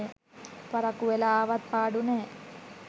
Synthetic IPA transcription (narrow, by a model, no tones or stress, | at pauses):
e | pɐɾɐkuʋelaːʋɐt̪̚paːɖune